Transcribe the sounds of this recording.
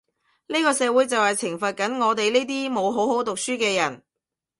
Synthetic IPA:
niː˥kɔː˧sɛː˨˧wu˨˥jt͡sɐ˨whɐ˨jt͡sʰɪ˨˩ŋfɐ˨t̚kɐ˨˥nŋɔː˨˧t̪e˨jliː˥t̪̬iː˥mo˨˧wɦo˨˥wɦo˨˥wt̪ʊ˨k̚syː˥kɛː˧jɐ˨˩n

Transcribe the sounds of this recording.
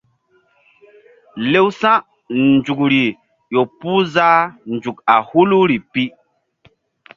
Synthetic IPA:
le˦wsã˦ | nd͡ʒu˨kɾi˨ | jo˨pu˦za˦nd͡ʒu˨k̚a˨hu˦lu˦ɾi˨pi˦

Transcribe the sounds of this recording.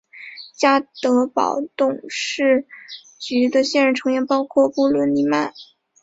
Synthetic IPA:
t͡ɕja˥t̪ɤ˧˥pɑ̰˨˩ʊt̪ʊ˥˩ŋʂɻ̩˥˩ | t͡ɕy˧˥d̪ə˧ɕjɛ˥˩˧ɻə˧˥nʈ͡ʂʰɤ˧˥ŋjɛ˧˥npɑ˥ʊkʰwɔ˥˧pu˥˩lwə˧˥nli˧˥ma˥˩n

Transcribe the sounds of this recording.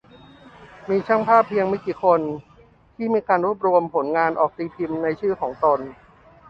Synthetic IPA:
miː˧t͡ɕʰa˥˩ŋpʰaː˥˩pʰːi˧əŋma˥˩jkiː˨˩kʰo˧n | t̪ʰiː˥˩miː˧kaː˧nɾu˥˩əp̚ɾu˧əmpʰo˩˦nŋaː˧nʔɔ̰ː˨˩k̚t̪iː˧pʰi˧mna˧jt͡ɕʰɯː˥˩kʰɔː˩˦ŋt̪o˧n

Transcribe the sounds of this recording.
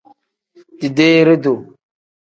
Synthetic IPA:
di˨de˦ɾe˦do˨

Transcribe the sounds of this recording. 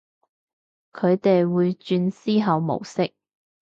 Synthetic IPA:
kʰɵ˨˧ɥt̪e˨jwuː˨˧jt͡ʃyː˧nsiː˥ɦɐ˨˧wmo̰˨˩wsɪ˥k̚

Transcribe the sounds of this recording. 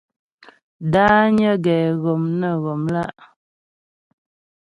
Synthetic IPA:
daː˦ɲə˦ɡɛ˨ɣo˨mnə˦˨ɣo˨mla˦˨ʔ

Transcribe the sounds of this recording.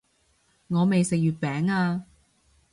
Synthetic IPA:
ŋɔː˨˧me˨jsɪ˨k̚jyː˨˩t̚pɛː˨˥ŋaː˧

